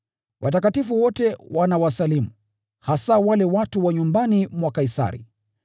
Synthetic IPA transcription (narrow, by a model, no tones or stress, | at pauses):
wʔatakatifuwɔtɛwʔanawasalimu | hasawalɛwatuwaɲumbanimwakaisa̰ɾḭ